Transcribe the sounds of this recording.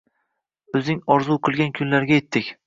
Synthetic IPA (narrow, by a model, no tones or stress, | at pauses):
ɵzɪŋɒɾzuqʰɨlˠɡʲankʲʰʊnlaɾɡʲajet̪ʰːɪkʲ